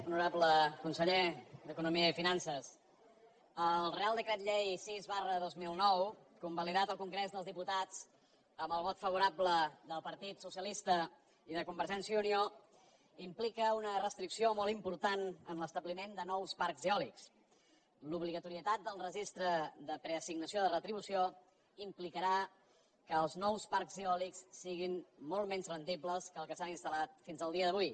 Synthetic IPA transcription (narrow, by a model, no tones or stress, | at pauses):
unuɾabləkunsəʎed̪əkunumiəifinansəs | əlˠrealˠd̪əkɾɛt̪ʎejsizβarəðozmilˠnɔwkumbəliðat̪əlˠkuŋɡɾɛzðəlˠzðiput̪at͡s | əmbəlˠβɔt̪fəβuɾabləðəlˠpəɾt̪it̪susiəlist̪ə | iðəkumbəɾʒɛnsiəunio | implikəunərəst̪ɾiksiomɔlˠt̪impuɾt̪anə̰nləst̪əβlimend̪ənɔwspaɾkziɔliks | luβliɣət̪uɾiət̪at̪̚d̪əlˠrəʒist̪ɾəd̪əpɾəəsiɡnəsioðərət̪ɾiβusio | implikəɾa | kəːlˠznɔwspaɾkziɔliksːiɣinmɔlˠmɛnzrənd̪ibləskəlˠkəsaninst̪əlat̪finzəlˠd̪iəðəβ̞uj